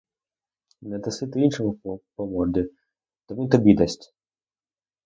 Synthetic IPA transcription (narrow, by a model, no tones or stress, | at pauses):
nɛd̪ɐsɪt̪ɪinʃemupɔmɔd̪ʲi | t̪ɔmint̪ɔbʲid̪ɐsʲtʲ